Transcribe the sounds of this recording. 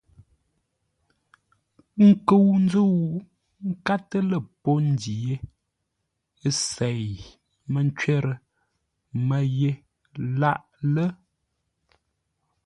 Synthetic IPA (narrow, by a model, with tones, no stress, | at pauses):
ŋ̩˦kə˨wn˦d͡zu˦˨w | ŋ̩˦ka˦tə˦lə˨po˦n̩˦di˨je˦ | sɛ˨j | mə˨n˦t͡ʃɥɛ˦ɾə˦˨ | mə˨je˦ | la˦ʔ | lə˦